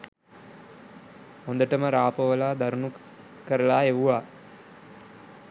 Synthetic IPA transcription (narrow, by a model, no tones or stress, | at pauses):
hond̪əʈəməɾaːpəʋəlaːd̪aɾunu | kəɾəlaːeʋuʋaː